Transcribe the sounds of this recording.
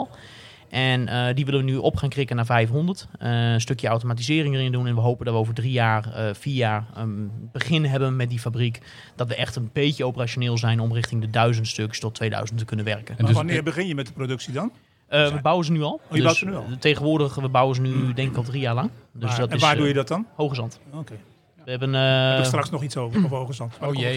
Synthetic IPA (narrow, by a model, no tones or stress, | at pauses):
lˠ | ʔɛnədiʋɪlənʋənyʔɔpχaŋkrɪkənaːvɛjfɦɔndərtəənstøkjəawtomat̬izɪːrɪŋərɪndunɛnʋəɦoːpəndɔtʋəoːvərdrijaːrəfiːjaːrəb̥əχɪnɦɛbənmɛt̚difabrik | d̥ɔtʋəʔɛxtənbeːtjəowpəraʃjoneːlˠzɛjnɔmrɪχtɪŋdədœɥzəntstøkstɔtʰːʋeːdœ̰ɥzənttːəknənʋɛrkənnɪːbəɣɪnjəmɛt̚əprodøksidɔn | əʋəbawənzənyɔlˠjədatənteːɣənʋʊːɹdəχʋəbawənzənydɛŋkɪkɔlˠdrijaːɹlɑŋdøsdɔtnɪsʋːdujədɔt̚ɔnhowχəzɔnto | ʋəɛbənstraksnɔχitsovəovowɣəzɔntoje